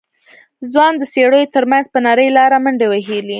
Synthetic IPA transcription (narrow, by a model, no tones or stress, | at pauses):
zwɑnd̪əseɽəjot̪əɾmanzpənɑɾəjlɑɾaməɳɖewaɦeli